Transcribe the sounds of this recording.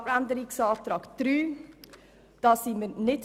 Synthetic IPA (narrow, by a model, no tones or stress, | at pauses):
ɾɛnd̪əɾɪksɑːft̪ɾɑːɡt̪ɾyː | d̪̥ɑːsimənɪt̪